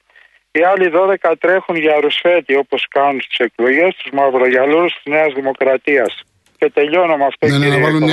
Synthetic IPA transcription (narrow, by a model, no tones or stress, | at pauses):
iɐliðo̞ðekɐt̪ɾe̞xunʝɐɾusfe̞t̪io̞po̞skɐnunst̪i̥se̞klo̞jʝe̞st̪uzmɐvɾoʝɐluɾust̪izne̞ɐzðimo̞kɾɐt̪iɐs | ce̞t̪e̞ʎo̞numɐft̪oiɾi